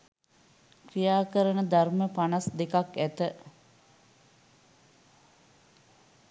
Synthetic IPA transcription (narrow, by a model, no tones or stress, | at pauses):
krijaːkəɾənəd̪arməpanasd̪ekakæt̪ə